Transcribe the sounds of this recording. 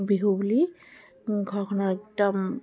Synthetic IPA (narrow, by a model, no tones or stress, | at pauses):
biɦubuli | ɡʱɔɹkʰɔnaɛk̚dɔm